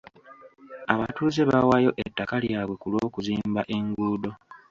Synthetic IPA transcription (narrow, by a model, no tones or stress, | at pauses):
aβatuːze̞βawajo̞ʔetːakaljaːβwe̞kulo̞ːkuziːmbaʔe̞ŋɡuːdo̞